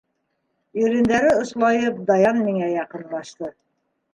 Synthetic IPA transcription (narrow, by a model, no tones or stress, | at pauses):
jɵ̆ɾĭnd̪æɾɘŏʃlˠɑjɤp̚d̪ɑjɑnmiŋæjɑqɤ̆nlˠɑʃt̪ɤ